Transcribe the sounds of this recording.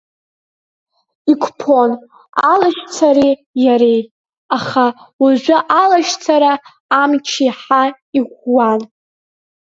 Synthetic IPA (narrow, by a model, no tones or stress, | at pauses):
ikʷʰʼpʰon | alaʃt͡sʰaɾi | jaɾe | aχawaʒʷaʔalaʃt͡sʰaɾaː | mt͡ʃʰiħa | iɡʷwan